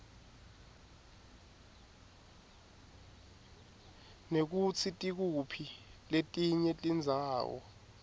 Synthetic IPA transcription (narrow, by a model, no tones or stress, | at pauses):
nek̬ut͡sʰitʼik̬upʰiletʼiɲɛtʼind͡zʱaːwɔ̰